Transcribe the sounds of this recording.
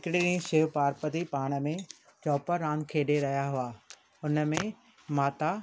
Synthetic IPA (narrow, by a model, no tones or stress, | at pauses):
ɪkɪɗɪɽĩʃɪpaːɾpət̪ipaːɽ̃ə̆mẽ | t͡ɕɔːpəɾːãːnd̪kʰeːɗeɾɐɦijaɦʊaː | ʊnə̆mẽ | maːt̪a